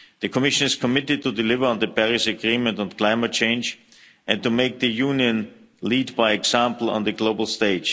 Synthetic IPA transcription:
ðɨkʰɔmɪʃə̃nɪskʰɔmɪtɨd̚tʰudɪlɪvə˞ə̃nðəpɛɹɪsɨɡɹĩmə̃ntə̃nkʰl̥ãɪmət͡ʃʰẽɪ̃nd͡ʒ | ʔɨ̃ntumeɪk̚ðɨjũnjɨ̃n | liːdbaɪɛksãmpl̩ˠɔ̰̃nðɨɡloʊbl̩ˠsteɪd̥d͡ʒ̥

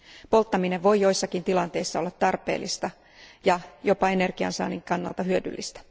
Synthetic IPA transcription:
po̞lt̪ːɑmineʋʋo̞jjo̞jsːɑkint̪ilɑnt̪e̞isːɑo̞lːɑt̪ːɑrpḛːlːist̪ɑ | jɑjo̞pɑe̞ne̞rɡ̥iɑ̰nsɑ̰ːniŋkɑnːɑ̰lt̪ɑɦyødy̰lːist̪æ̥

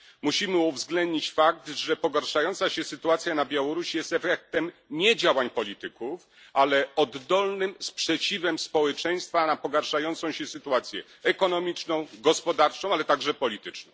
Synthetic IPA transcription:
muɕimɘuvzɡlɛnd̪ɲit͡ɕfak̚t̪ʐɛpɔɡaɾʂajɔnt̪saɕɛsɘt̪uat̪sʲjanabʲjawɔɾuɕjɛst̪ɛfɛk̚t̪ɛmɲɛd͡ʑawaɲpɔlʲit̪ɘkuf | alɛɔd̪ːɔlnɘmspʂɛt͡ɕivɛmspɔwɛt͡ʂɛj̃st̪fanapɔɡaɾʂajɔnt̪sɔ̃w̃ɕɛsɘt̪uat̪sʲjɛ̰ | ɛkɔnɔmʲit͡ʂnɔ̃w̃ɡɔspɔd̪aɾt͡ʂɔ̃w̃alɛt̪aɡʐɛpɔlʲit̪ɘt͡ʂnɔ̃ww̃

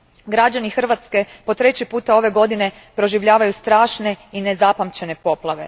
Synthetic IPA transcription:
ɡɾad͡ʑanixr̩ʋat̪ske̞po̞t̪ɾet͡ɕipuːt̪ao̞ʋe̞ɡo̞d̪ine̞ | pɾo̞ʒiʋʎaːʋajust̪ɾaːʃne̞ine̞zapamt͡ɕe̞nepo̞plˠaʋe̞̰

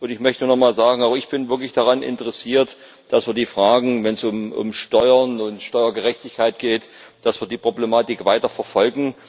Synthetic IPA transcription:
ʔʊntɪçmœçtənuːnɔχmaːlzaːɡŋ̩aʊxɪçb̥ɪnvɪɐklɪçd̥aʁanʔɪ̰ntəʁɛsiːɐt | d̥asv̥iːɐdiːfʁ̥aːɡŋ̩vɛnsʊmʔʊ̰mʃtɔʏɐnʊntʃtɔʏɐɡəʁɛçtɪçkʰaɪtɡ̥eːt | d̥asv̥iːɐdiːpʁ̥oblemaːtɪkv̥aɪtɐfɛɐfɔlɡŋ̩

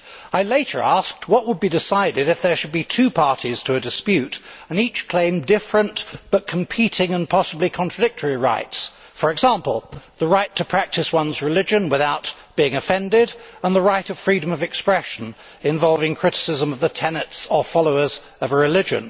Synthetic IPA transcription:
aɪleɪɾə̰˞æsk̚t̚wʌʔ̚wəd̚bidɨsaɪɾɪɾɨfðə˞ʃɨd̚bitʰʉpʰɑɹɾiz̥tʰəɨdɨspjʉɾɨ̃nit͡ʃkʰl̥ẽɪ̃mdɪfɹɨ̃nb̥ʌt̚kʰm̩pʰiɾɪ̃ŋə̃npʰɑsəblikʰɑ̃ntɹ̥ɨdɪk̚tʰə˞iɹa̰ɪts | fə˞ɨɡzæ̃mpl̩ˠðəɹaɪtʰɨpʰɹ̥æk̚tʰɨswʌ̃nzɹɨlɪd͡ʒɨ̃nwɨθaʊt̚b̥iɪ̃ŋɨfɛ̃ndɪɾə̃nðəɹaɪɾʌv̥fɹiɾə̃mʌvɨkspɹɛʃɨ̃n̩ | ɨ̃ɱvɑlˠvɪ̃ŋkʰɹ̥ɪɾɨ̥sɪzə̃mʌvðɨtʰɛnɨtsə˞fɑlˠoʊə˞z | ʌvəɹɨlɪd͡ʒɨ̰̃n

